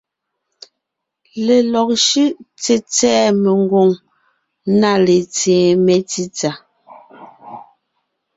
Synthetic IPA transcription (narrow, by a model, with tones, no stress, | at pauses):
le˨lɔ˨k̚ʃʉ˦ʔt͡se˨t͡sɛː˦me˨ŋɡo˨ŋ | na˦˨le˨t͡sẽː˨me˨ti˦t͡sa˨